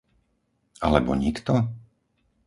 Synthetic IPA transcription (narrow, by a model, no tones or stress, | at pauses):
alɛbɔ̰ɲikt̪ɔ